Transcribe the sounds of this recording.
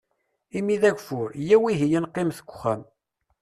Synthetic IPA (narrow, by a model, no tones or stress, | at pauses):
imiðæɡfʊɾjæwiɦijənqːɪmθə̥ɡʷːχæm